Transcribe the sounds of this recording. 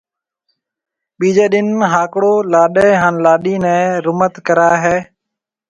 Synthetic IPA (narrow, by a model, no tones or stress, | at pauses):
ɓiːd͡ʒɛːɗɪnɦaːkɽoːlaːɗɛːɦaːnlaːɗiːnɛ̃ːɾʊmət̪kəɾaːɦɛː